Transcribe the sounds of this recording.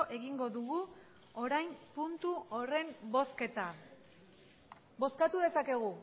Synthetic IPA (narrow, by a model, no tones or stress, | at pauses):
ʔe̞ɣiŋɡo̞ðuɣu | o̞ɾajmpunt̪uo̞re̞mbo̞ske̞t̪a | bo̞skat̪uðe̞sake̞ɣ̞u